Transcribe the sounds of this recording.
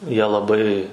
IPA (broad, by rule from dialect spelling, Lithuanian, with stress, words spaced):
ˈjiɛ lˠɐˈbɐɪ